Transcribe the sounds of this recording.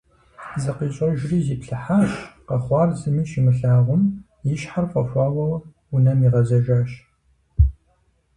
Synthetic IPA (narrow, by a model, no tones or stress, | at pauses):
zɨqiːɕʼɐʒriːziːpɬɨħaːɕqɐχʷɑːrzɨmiːʃimɨɬaːʁʷʊm | jɪʃħarqʷʼɐxʷɑːwɐw | ʊnɐmiʁɐzɐʒaːʃ